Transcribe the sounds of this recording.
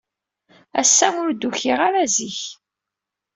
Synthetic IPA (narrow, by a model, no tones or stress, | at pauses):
æ̰sːæʊɾd̪uçiʁaɾaziç